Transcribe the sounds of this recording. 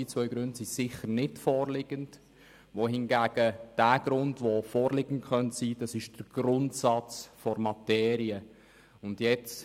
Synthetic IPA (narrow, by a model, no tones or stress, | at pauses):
it͡svœʏɡɾʉndsisɪχəɾnɪtfɔːɾlɪɡ̥ənd | ʋoɦɪnɡæːɡ̥əd̥æːɡ̥ɾʊndʋofɔːɾlɪɡəntχœntsiːd̥ɑsɪʃd̥əɾɡ̥ɾʊntsɑt͡sfɔrmɑtɛːɾiə | ʊndjɛt͡s